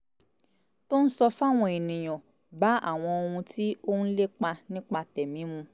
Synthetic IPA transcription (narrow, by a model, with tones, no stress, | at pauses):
to˦ñ̩˦sɔ˧fa˦˨w̃ɔ̃˧˦e˨nĩ˨j̃ɔ̃˨ | ba˨˦a̰˦˨w̃ɔ̃˧o˧hũ˧tʰi˦o˦n̩˦le˦k͡pa˧nĩ˦k͡pa˧tɛ˨mĩ˨˦mũ˧